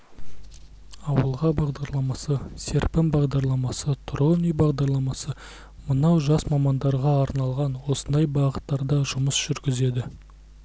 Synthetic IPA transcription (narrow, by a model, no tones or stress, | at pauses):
ɑwəlˠʁɑbɑʁd̪ɑɾlˠɑmɑsəse̞ɾpɪmbɑʁd̪ɑɾlˠɑmɑsət̪ʰʊɾʁənijbɑʁd̪ɑɾlˠɑmɑsə | mənɑwʒɑsmɑmɑnd̪ɑɾʁɑːɾnɑlˠʁɑnwo̞sənd̪ɑjbɑʁət̪ːɑɾd̪ɑʒʊməsʒ̥ʏɾɡʲɪze̞d̪ɪ